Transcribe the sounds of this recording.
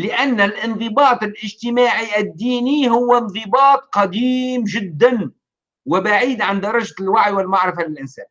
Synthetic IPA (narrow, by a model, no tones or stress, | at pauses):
lɪʔanːalʔɪnðˤɨbɑːt̪ˤɪlʔɪʒt̪ɪmaːʕiʔɪd̪ːiːniɦʊwːanðˤɨbɑːt̪̚ˤqɑd̪iːmʒɪd̪ːan | wɪbaʕiːd̪ʕand̪ɑɾˤɑʒlwaʕjwɪlmaʕɾɪfalɪlʔɪnsaːn